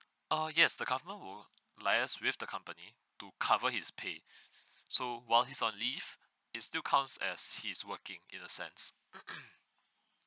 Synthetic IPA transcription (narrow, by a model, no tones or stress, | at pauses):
əjɛsdəɡavəmə̃nwɪl | laɪəswɪfdəkʰãmpəni | tukʰavəhispʰe | sowaɪlˠhisɔ̃nlif | ɪtstilˠkʰãw̃nsɛ̰shiswəkɪ̃ŋɪ̰̃nəsɛ̰̃ns